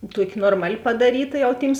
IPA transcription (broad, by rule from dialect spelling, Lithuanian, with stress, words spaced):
ˈtuɔkʲɪ ˈnoːrmɐˌlʲɪ pɐdɐˈrʲiːtɐ jɛʊ ˈtʲiːms